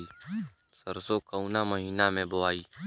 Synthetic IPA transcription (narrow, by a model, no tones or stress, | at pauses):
iː | səɾsokəunaməɦiːnamẽboaːiː